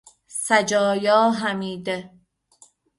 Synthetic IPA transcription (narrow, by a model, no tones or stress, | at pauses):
sæd͡ʒɒːjɒːɦæmiːd̪e